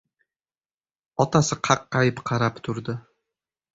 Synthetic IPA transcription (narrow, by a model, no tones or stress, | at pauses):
ɒt̪asɪqʰɑqːɑjɪpqʰɑɾapt̪ʰʊɾd̪ɪ